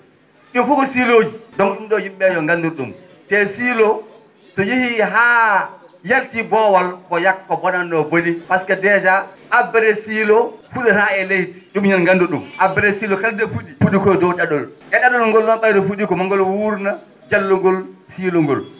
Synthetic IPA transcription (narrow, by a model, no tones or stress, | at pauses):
ɗufuɡɔsiloːd͡ʒidɔminɗɔjimɓɛjɔŋɡandiɾɗṵm | tɛsilɔ | sɔjihiɦaː | jaltibɔwalkɔjakːɔbɔnanːɔbolipaskadɛd͡ʒaːbːɛɾɛsiːlɔfuɗɛtaɛlejti̥ɗumɲanŋɡandɔɗumʔabɛɾɛsiːlɔkaldɛfuɗifuɗikɔdɔwɗaɗɔlʔɛɗaɗɔlŋɡɔlnɔnɓajdɔfuɗikɔmaŋɡɔlwuɾna | d͡ʒalːuŋɡɔlsiːlɔŋɡɔ̰l